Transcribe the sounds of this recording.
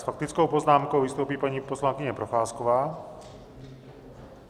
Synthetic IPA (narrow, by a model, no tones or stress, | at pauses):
sfak̚t̪ɪt͡skowpoznaːmkowvɪst̪owpiːpaɲiːposlaŋkɪɲɛpɾoxaːskovaː